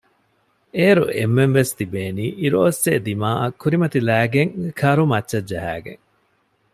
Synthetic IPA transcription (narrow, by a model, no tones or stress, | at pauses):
eːɾṵʔemːenʋest̪ibeːniːʔiɾoːseːd̪imaːʔɐkːuɾimɐt̪ilæːɡeŋkʰɐɾumɐtːʃɐdd͡ʒɐɦæ̰ːɡḛŋ